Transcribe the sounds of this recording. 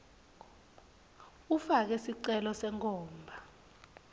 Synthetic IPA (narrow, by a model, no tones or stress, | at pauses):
ufak̬ɛsiǀɛlɔsɛŋʰʼɔːmbʱa